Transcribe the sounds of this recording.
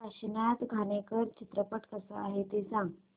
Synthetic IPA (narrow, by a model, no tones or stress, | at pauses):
paɕinat̪ɡʱanekəɾt͡ɕit̪ɾəpəʈkəsa̰aɦet̪esãŋɡ